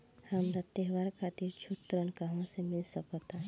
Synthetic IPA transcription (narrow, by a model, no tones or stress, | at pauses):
həmd̪ət̪eɦʋaɾkʰat̪iɾt͡ʃʰut̪ːɾənkaɦõsemɪlsəkɔt̪ã